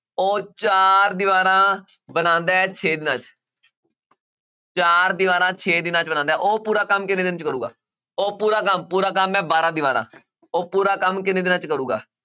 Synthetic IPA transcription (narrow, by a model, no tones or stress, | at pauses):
oːt͡ʃaːɾd̪ɪʋaːɾãː | bənãːnd̪aːɛːt͡ʃʰeːd̪ɪnãːt͡ʃ | t͡ʃaːɾd̪ɪʋaːɾãːt͡ʃʰeːd̪ɪnãːt͡ʃbənãːnd̪aɛːʔoːpuːɾaːkəmkɪnẽːd̪ɪnt͡ʃkəɾuːɡa̰ː | oːpuːɾaːkəmpuːɾaːk̬əmːɛ̃ːbaːɾãːd̪ɪʋaːɾã̰ː | oːpuːɾaːkəmkɪnẽːd̪ɪnãːt͡ʃkəɾuːɡa̰ː